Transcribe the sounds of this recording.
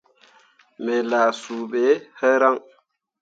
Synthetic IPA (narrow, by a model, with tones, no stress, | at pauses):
mɛ˨laː˨suː˨ɓɛ˨˦hɛ˦ɾa˦ŋ